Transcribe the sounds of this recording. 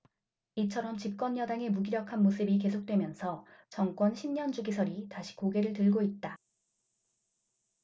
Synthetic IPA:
it͡ɕʰʌɾʌmt͡ɕip̚k͈wʌnjʌdaŋe̞muɡiɾjʌkʰanmosʰɯbik̬e̞sʰok̚t͈we̞mjʌnsʰʌt͡ɕʌŋk͈wʌnɕʰimɲʌnd͡ʑuɡisʰʌɾitaɕʰi̥koɡe̞ɾɯɭtɯɭɡoit̚t͈a

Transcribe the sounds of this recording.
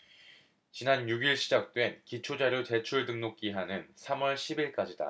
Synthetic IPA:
t͡ɕinanjuɡiɭɕʰid͡ʑak̚t͈we̞nkit͡ɕʰod͡ʑaɾjot͡ɕe̞t͡ɕʰuɭdɯŋnok̚k͈iɦanɯnsʰamwʌɭɕʰibiɭk͈ad͡ʑida̰

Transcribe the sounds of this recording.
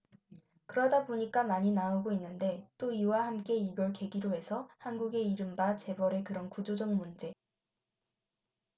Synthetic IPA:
kɯɾʌdaboɲik͈amaɲinaoɡoinːɯnde̞t͈oiwahamk͈e̞iɡʌɭke̞ɡiɾoɦe̞sʰʌhanɡuɡe̞iɾɯmbat͡ɕe̞bʌɾe̞kɯɾʌnkud͡ʑod͡ʑʌŋmund͡ʑe̞

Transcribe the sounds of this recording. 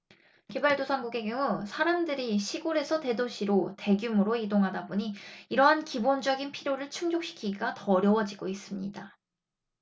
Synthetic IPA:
ke̞baɭdosʰaŋɡuɡe̞ɡjoŋusʰaɾamdɯɾiɕʰiɡoɾe̞sʰʌte̞doɕʰiɾote̞ɡjumɯɾoidoŋɦadaboɲiːɾʌɦankibond͡ʑʌɡinpʰiɾjoɾɯɭt͡ɕʰuŋd͡ʑok̚ɕ͈ʰi̥kʰiɡiɡatʌːɾjʌwʌd͡ʑiɡois͈ɯmɲḭda

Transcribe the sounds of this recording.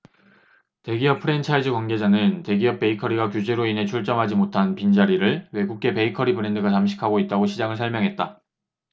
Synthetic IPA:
te̞ɡiʌpʰɯɾe̞nt͡ɕʰaid͡ʑɯkwanɡe̞d͡ʑanɯnte̞ɡiʌp̚p͈e̞ikʰʌɾiɡakjud͡ʑe̞ɾoinɦe̞t͡ɕʰuɭt͡ɕ͈ʌmɦad͡ʑimotʰanpind͡ʑaɾiɾɯɭwe̞ɡuk̚k͈e̞pe̞ikʰʌɾibɯɾe̞ndɯɡat͡ɕamɕʰi̥kʰaɡoit̚t͈aɡoɕʰid͡ʑaŋɯɭs̬ʰʌɭmjʌŋɦe̞t̚t͈a

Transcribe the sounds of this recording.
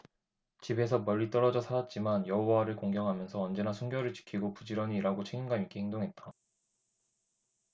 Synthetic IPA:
t͡ɕibe̞sʰʌmʌʎːit͈ʌɾʌd͡ʑʌsʰaɾat̚t͡ɕ͈imanjʌɦowaɾɯɭkoŋɡjʌŋɦamjʌnsʰʌʌnd͡ʑe̞nasʰuŋɡjʌɾɯɭt͡ɕi̥kʰiɡopud͡ʑiɾʌɲiɾaɡot͡ɕʰe̞ɡinɡaikʰehʰeŋdoŋɦe̞t̚t͈a

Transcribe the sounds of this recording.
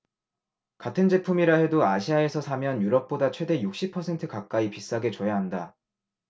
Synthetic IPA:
katʰɯnd͡ʑe̞pʰumiɾaɦe̞doaɕʰiae̞sʰʌsʰamjʌnjuɾʌp̚p͈odat͡ɕʰwe̞de̞juk̚ɕ͈ipʰʌsʰe̞ntʰɯkak̚k͈aipis͈aɡe̞t͡ɕʌjaɦanda

